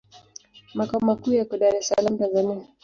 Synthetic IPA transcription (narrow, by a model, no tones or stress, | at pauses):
makaɔmakuːjakɔɗaɾɛsalam̩tanzania